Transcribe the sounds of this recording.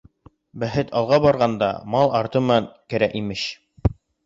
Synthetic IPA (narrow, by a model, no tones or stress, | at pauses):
bæɦɘt̪ʰɑlˠʁɑbɑɾʁɑnd̪ɑ̰mɑlˠɑɾt̪ɤmɤ̆nɑŋkɘ̆ɾæʔimɘɕ